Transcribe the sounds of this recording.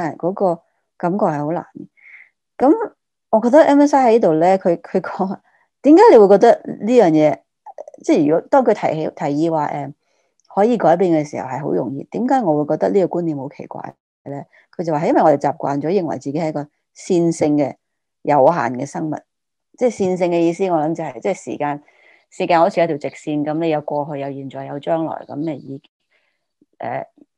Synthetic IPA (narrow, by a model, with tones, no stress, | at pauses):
a˨kɔː˨˥kɔː˧ | kɐ˨˥mkɔː˧k̚hɐ˨jho˨˥wla̰ː˨˩nkɛ˧ | kɐ˨˥m | ŋɔː˨˧kɔː˧k̚t̪ɐ˥kʔɛː˥mɛ˥saː˥hɐ˨˥jt̪o˨wlɛ˥kʰɵ˨˧ɥkʰɵ˨˧ɥkɔː˨˥ŋa˨ | t̪iː˨˥mkaː˨˥le˧wu˧kɔː˧k̚t̪ɐ˥k̚liː˥jœː˨˩ŋjɛː˨˧ | t͡sɛː˥jyː˨kɔː˨˥t̪ɔː˥ŋkʰɵ˨˧t̪ʰɐ˨˩˨t̪ʰɐ˨˩jːiː˧waː˨ʔɛː˨ | hɔː˨˥jiː˨˧kɔː˨˥jp̬iː˧nkɛ˧siː˨˩hɐ˨˩whɐ˨jɦo̰˨˥wjʊ˨˩ŋjḭː˨˧t̪iː˨˥mkaː˨˥jŋɔː˨˧wu˨˧jkɔː˧k̚t̪ɐ˥liː˥kɔ˧kuː˥nliː˨˩mho˨˥wkʰe˨˩jkʷa̰ː˧j | lɛː˥ | kʰɵ˧jt͡sɐ˨waː˨jnwɐ˨jŋɔ˧de˨jt͡saː˨p̚kʷa̰ː˨nt͡sɔ˨˥jɪ˨ŋwɐ̰˨˩jt͡siː˨ke˥hɐ˨˦˥kɔː˧ | siː˧nsɪ˧ŋkɛ˧ | jɐ˨˧wha̰ː˨˩nkɛː˧sɐ˥ŋmɐ̰˨˩t̚ | t͡sɛː˥˩siː˧ns̬ɪ˧ŋkɛ˧jiː˧siː˥ŋɔː˨˧lɐ˨˥mt͡sɐ˨whɐ˨jt͡sɛː˥˩sḭː˨˩kaː˧n | siː˨˩kaː˧nho˧˥t͡sʰi˨˧˨t̪ʰːwt͡sɪ˨k̚siː˧nkɐ˨˦mle˨˧jɐ˨˧wkʷɔː˧ɦɵ˧jɐ˨˧wjiː˨˩nt͡ʃɔː˨˩jɐ˨˧wt͡ʃœː˥ŋlɔ̰ː˨˩jkɐ̰˨˧˥mnɛ˨˧jiː˨˧kŋ | ʔɛ̰ː˨˩